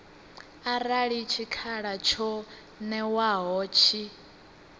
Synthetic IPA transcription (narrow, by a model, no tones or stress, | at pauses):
aɾaɺit͡ʃʰikʰaɺat͡ʃʰɔ | nɛwaɦɔːt͡ʃʰi